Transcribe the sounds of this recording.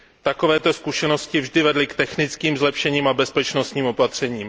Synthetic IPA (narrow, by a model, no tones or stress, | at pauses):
t̪ako̞vɛːt̪o̞skuʃɛno̞scɪvʒdɪvɛdlɪkt̪ɛxnɪt͡skiːmzlɛpʃɛɲiːmabɛspɛt͡ʃno̞st̪ɲiːmo̞pat̪r̝̥ɛɲiːm